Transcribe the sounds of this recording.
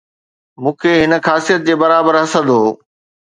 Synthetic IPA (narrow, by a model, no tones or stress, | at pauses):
mũːkʰeɦɪnə̆xaːsijət̪̚d͡ʑeːbɐɾaːbəɾɦɐsə̃d̪oː